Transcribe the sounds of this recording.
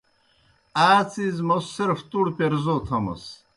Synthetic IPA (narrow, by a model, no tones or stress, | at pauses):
aːt͡sizmosːiɾft̪uɽpeɾzot̪ʰɐmɐ̰s